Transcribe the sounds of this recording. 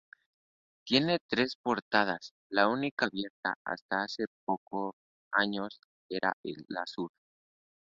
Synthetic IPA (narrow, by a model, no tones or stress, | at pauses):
t̪je̞ne̞t̪ɾe̞spo̞ɾt̪að̞as | launikaβje̞ɾt̪a̰a̰st̪aase̞p̚o̞kʰo | aɲo̞s | e̞ɾa̰ʔela̰suɾ